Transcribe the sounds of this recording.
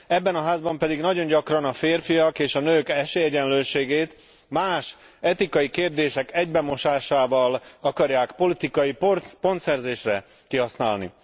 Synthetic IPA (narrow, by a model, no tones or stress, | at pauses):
ɛbːɛnɒɦaːzbɒmpɛd̪iɡnɒɟo̞ɲɟɒkrɒnɒfeːrfijɒkeːʃɒnøːkɛʃeːɛɟɛnløːʃeːɡeːt̪ | maːʃ | ɛt̪ikɒjikeːrd̪eːʃɛkɛɟbɛmo̞ʃaːʃaːvɒlɒkɒrjaːkpolit̪ikɒjippo̞nt̪sɛrzeːʃrɛ | kiɦɒsnaːlnḭ